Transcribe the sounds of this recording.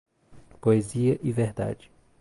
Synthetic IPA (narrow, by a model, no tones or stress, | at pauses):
poeziɐʔɪveɾd̪a̰d͡ʒɪ